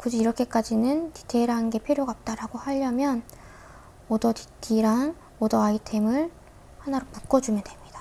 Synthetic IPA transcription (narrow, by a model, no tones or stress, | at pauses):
kud͡ʑiiɾʌkʰe̞k͈ad͡ʑinɯnti̥tʰeɾaɯnɡe̞pʰjoɾjoɡaʌp̚t͈aɾaɡohaʎːʌmjʌn | ʌdʌti̥tʰiɾaŋ | odʌaitʰe̞mɯɭ | hanaɾopuk͈ʌd͡ʑumjʌdwe̞mɲidḁ